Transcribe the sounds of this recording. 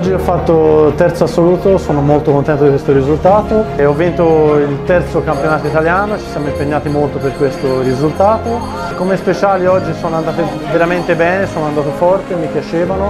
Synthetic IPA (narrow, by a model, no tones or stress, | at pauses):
d͡ʒːiɔfːat̪ːot̪ɛrt̪soasːoluːt̪osoːnomolt̪okont̪ɛnt̪od̪ikwest̪oɾizult̪aːt̪oɔvːint̪oilt̪ɛrt̪sokampjonaːt̪oit̪aljaːnot͡ʃi̥sjamoimpeɲːaːt̪imolt̪operkwest̪oɾizult̪aːt̪o | kːomespet͡ʃaːliɔd͡ʒːisoːnoand̪aːt̪e | veɾament̪ebɛːnesoːnand̪aːt̪̬ofɔrt̪emipjat͡ʃeːvano